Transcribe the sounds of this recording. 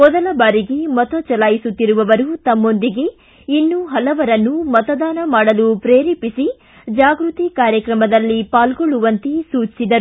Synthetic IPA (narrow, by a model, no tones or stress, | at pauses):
mɔd̪ɐlɐbaːɾiɡe̞mɐt̪ot͡ʃɐlaːjisut̪ːiɾuʋɐʋɐɾut̪ɐmːo̞nd̪iɡe̞ | inːuɦɐlɐʋɐɾɐnːumɐt̪ɐd̪aːnɐmaːɽɐlupɾeːɾiːpisi | d͡ʒaːɡɾut̪ikaːɾjɐkɾɐmɐd̪ɐlːipaːlɡoɭuʋɐnt̪isuːt͡ʃi̥sid̪ɐɾu